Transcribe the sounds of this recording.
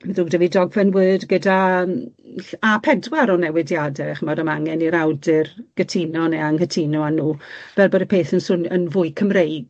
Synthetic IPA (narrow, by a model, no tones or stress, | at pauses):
mɛðuːɡdəvidɔɡvɛnwɨdɡədam | apʰɛdwaɾɔnɛwɪdjadɛχəmɔdəmaŋɛniɾawdɪrɡ̥ətʰinɔneaŋhətʰinɔanuːvɛlˠbədəpʰeːθənsʊnənvʊɨjkʰəmrejɡ̥